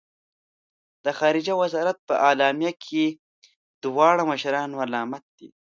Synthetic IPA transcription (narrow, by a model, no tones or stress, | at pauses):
d̪̥əxɑːɾɪd͡ʒawazɑːɾat̪̚pəʔɑlɑːmijakʰe | d̪̥wɑːɽaməʃaɾɑːnwalɑːmat̪̚d̪̥ḭ